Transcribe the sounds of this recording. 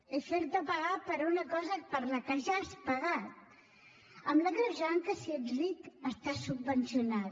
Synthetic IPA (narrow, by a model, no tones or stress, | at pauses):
efeɾt̪əpəɣapəɾunəkɔzəpəɾləkəʒaspəɣat̪̚ | əmləɣɾəʒaŋkəsiərit̪əst̪asubːənsjuna